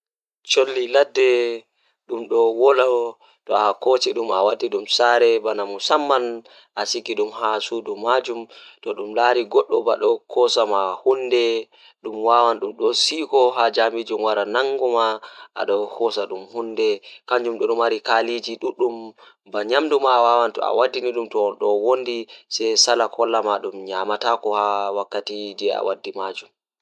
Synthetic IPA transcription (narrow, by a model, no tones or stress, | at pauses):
t͡ʃolːiladːɛ | ɗumɗɔwɔla | tɔakɔt͡ʃɛɗuma̰watːiɗumsaɾɛbanamusamːan | ʔasikiɗumɦasudumad͡ʒumtɔɗumlaɾiɡɔɗːɔba̰ɗɔkʰɔsamahundɛ | ɗumwaːwanɗumɗɔsikɔɦad͡ʒamid͡ʒumwaɾanaŋɡɔmaʔa̰ɗɔkʰɔsaɗumhundɛkaɲd͡ʒumɗɔɗumaɾikalid͡ʒiɗuɗum | baɲamdumawawantɔ̰a̰wadːiniɗumtɔɗɔwondisɛjsalakʰɔlːamaɗumɲamatakɔhawakːatid͡ʒɛa̰wadːimad͡ʒum